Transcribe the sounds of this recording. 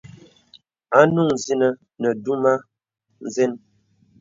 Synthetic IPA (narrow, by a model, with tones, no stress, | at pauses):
a˦nu˦˨ŋ˨zi˦nə˦ | nə˨du˦ma˦ | n̩˨zɛ˦n